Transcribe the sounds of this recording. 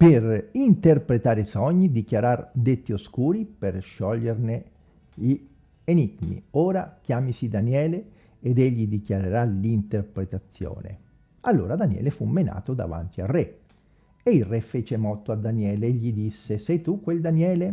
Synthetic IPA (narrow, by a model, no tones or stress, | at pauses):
perint̪erpɾet̪aːɾesɔɲːid̪ikjaɾard̪et̪ːioskuːɾiperʃːɔʎːerne | ʎi | eniɡmḭoːɾak̟jaːmisid̪anjɛːle | ed̪eʎːid̪ikjaɾeɾalint̪erpɾet̪at̪sːjo̰ːnḛ | alːo̰ːɾad̪anjɛ̰ːlefumːena̰ːt̪od̪a̰va̰nt̪iare | eilrːefeːt͡ʃemɔt̪ːoad̪ːanjɛːleeʎːid̪isːesɛjt̪ukːweld̪anjɛːle